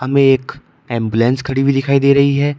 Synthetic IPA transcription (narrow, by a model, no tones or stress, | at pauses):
ɦɐmẽeːk | ɛ̃ːmbulɛ̃ːnskʰɐɽibʱid̪ɪkʰaːid̪eːɾɐɦiɦɛː